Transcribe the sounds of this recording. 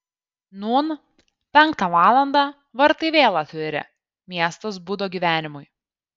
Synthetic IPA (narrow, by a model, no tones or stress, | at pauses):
nuːn | pʲɛŋˑkt̪ɑʋɑːlˠɐnd̪ɑ | ʋɐɾt̪ɐɪʋʲeːlˠɑt̪ʲʊɾʲɪ̰ | mʲiɛst̪os̬bud̪oːɡʲiːʋʲæːnʲɪmʊj